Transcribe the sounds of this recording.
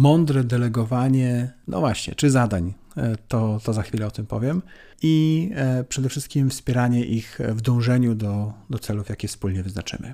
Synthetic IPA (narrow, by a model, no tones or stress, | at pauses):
mɔnd̪ɾɛd̪ɛlɛɡɔvaɲɛnʔɔ̰vwaɕɲɛ̰t͡ʂɘzad̪aɲ | t̪ɔt̪ɔzaxfʲilɛɔt̪ɘmpɔvʲjɛm | i | pʂɛd̪ɛfʂɘst̪̚kʲimfspʲjɛɾaɲɛʔixvd̪ɔ̃w̃ʐɛɲud̪ɔd̪ɔt̪sɛlufjakʲɛfspulɲɛvɘznat͡ʂɘ̰mɘ̰